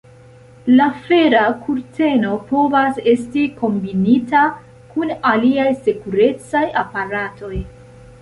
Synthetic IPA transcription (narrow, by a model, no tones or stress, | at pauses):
lafe̞ɾakʰuɾte̞no̞po̞vase̞stiko̞mbinita | kunaliajse̞kuɾe̞t͡sajapaɾatʰo̞j